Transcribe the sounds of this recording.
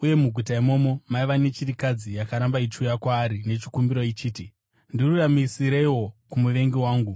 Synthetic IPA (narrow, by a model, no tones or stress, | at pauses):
uje̞muɡʱutaimo̞ːmo̞maiʋanet͡ʃiɾikad͡zijakaɾambait͡ʃujakwaːɾine̞t͡ʃi̥kumbiɾo̞it͡ʃiːti | ndiruramisiɾe̞iwo̞kumuʋe̞ŋɡiwaːŋɡu